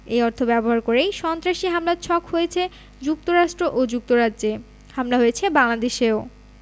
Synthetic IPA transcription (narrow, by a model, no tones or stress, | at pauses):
ejɔɾt̪ʰobɛboɦaɾkoɾejʃɔnt̪ɾaʃiɦamlat͡ɕʰɔkhojet͡ɕʰe | d͡ʑuk̚t̪oɾaʃʈɾoʔod͡ʑuk̚t̪oɾadːʑe | hamlaɦojet͡ɕʰebaŋlad̪eʃeo